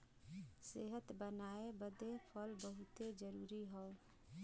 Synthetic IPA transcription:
seɦət̪bənaebəd̪epʰəlbəɦut̪ed͡ʒəɾuːɾiɦɔo

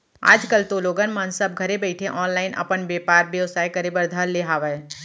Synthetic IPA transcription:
a̰ːd͡ʒkəlt̪oːloːɡənmənsəb̚ɡʱɐɾebɛɪʈʰeʔɔːnlaːɪnʔɐ̰pənbeːpaːɾbjəʋsaːikɐɾebəɾd̪ʱəlːeɦaːʋə

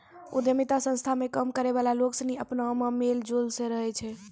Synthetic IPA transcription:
ṵd̪jəmit̪asə̃st̪ʰamekəmkəɾeβalaloksəniəpnaməmeld͡ʒolsə̃ɾəɦɛt͡ʃʰɛ

